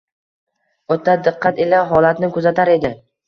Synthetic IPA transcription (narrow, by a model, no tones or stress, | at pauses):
ot̪ʰːad̪ɨqːɑt̪elaɦɒlat̪nɪkʰɵzat̪ʰaɾe̞d̪ɪ